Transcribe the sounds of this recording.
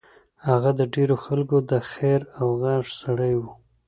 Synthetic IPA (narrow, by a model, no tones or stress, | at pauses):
haɣad̪əɖeɾoxalkod̪əxeɾawɣɑnʐsaɽəjwu